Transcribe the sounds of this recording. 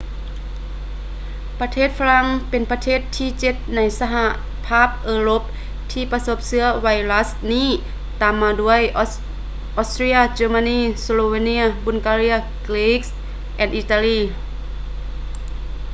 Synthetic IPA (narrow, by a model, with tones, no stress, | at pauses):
pa˧t̪ʰeː˥˩t̪̚fa˧la˧ŋpe˨npa˧t̪ʰeː˥˩t̪ʰːiː˧˩t͡ɕe˧˦t̪̚na˧˥jsa˧ɦa˧ʔ | pʰaː˥˩p̚ʔɤː˧ɾo˧˥p̚ | t̪ʰiː˧˩pa˧so˧p̚sɯ˧ɐwa˧jla˦˥sniː˥˨ | t̪aː˨mːaː˧du˧˩əjʔ | ʔɔ˧st̪ɾiː˧˥a˧t͡ɕeː˧ma˧niː˧˩so˧loː˧we˧ni˧˥ɐbu˧˨nkaː˧ɾi˧˥ɐ | kli˧˦ks | ʔɛː˧˩nʔi˧t̪a˧liː˧˩